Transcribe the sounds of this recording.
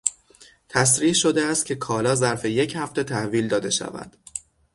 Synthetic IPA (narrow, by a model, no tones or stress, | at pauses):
t̪ʰæsɾiːhʃo̞d̪eæst̪̚cʰe̞kʰɒːlɒːzæɾfe̞je̞chæft̪e̞t̪ʰæhviːld̪ɒːd̪e̞ʃæ̰væ̰d̪̥